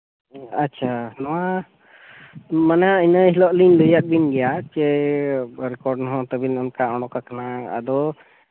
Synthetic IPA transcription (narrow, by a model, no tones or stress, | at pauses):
atːt͡ʃʰanɔwa | manainəɦilɔʔlinləjak̪̚binɡɛjat͡ʃɛ | ɾɛkɔɾɖnɔɦɔ̃t̪əbinɔnkaɔɳɔkakanaa̰d̪ɔ